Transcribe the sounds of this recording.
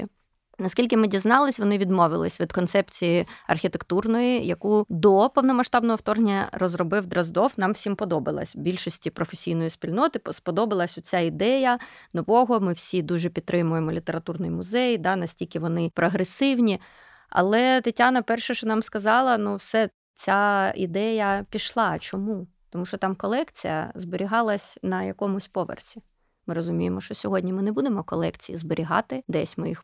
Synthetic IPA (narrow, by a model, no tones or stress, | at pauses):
nɐskʲilʲk̬ɪmɪdʲiznɑlˠɪsʲʋɔnɪʋʲid̪mɔʋɪ̰lˠɪ̰sʲʋʲid̪kɔnt̪sɛpt͡sʲijiɐ̰rxʲit̪ekt̪urnɔjijɐkud̪ɔpɔwnɔmɐʃt̪ɑbnɔɦɔwt̪ɔrnʲːɐ̰rɔzrɔbɪwd̪ɾɐzd̪ɔfnɑmwsʲimpɔd̪ɔbɪ̰lˠɐ̰sʲbʲilʲʃɔsʲtʲipɾɔfesʲijnɔjisʲpʲilʲnɔt̪ɪspɔd̪ɔbɪlˠɐsʲɔt͡sʲaid̪ɛjɐnɔʋɔɦɔmɪwsʲid̪uʒɛpʲid̪̚t̪ːɾɪmʊjemɔlʲit̪eɾɐt̪urnɪjimʊzɛjd̪ɑnɐsʲtʲilʲkɪʋɔnɪpɾɔɦɾesɪwnʲi | ɐ̰lˠɛt̪ɪtʲanɐpɛrʃɛʃɔnɑmskɐzɑlˠɐnuwsɛ | t͡sʲaḭd̪ɛjɐpʲiʃlˠɑt͡ʃɔmu | t̪ɔmuʃt͡ʃɔt̪ɑmkɔlˠɛkt͡sʲijɐ̰zbeɾʲiɦɑlˠɐsʲnɐjɐkɔmʊsʲpɔʋḛrsʲi | mɪɾɔzʊmʲijemɔʃt͡ʃɔsʲɔɦɔdʲnʲimɪnebud̪emɔkɔlˠɛkt͡sʲijḭzbɪɾʲiɦɑ̰t̪ɪd̪ɛsʲmɪ̰jix